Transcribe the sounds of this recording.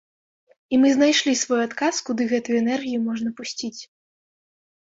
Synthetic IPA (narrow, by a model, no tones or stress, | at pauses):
imɨznajʂlʲisvɔjuat̪kaskud̪ɨɣɛt̪ujuɛnɛrɣʲijumɔʐnɐpusʲt͡sʲit͡sʲ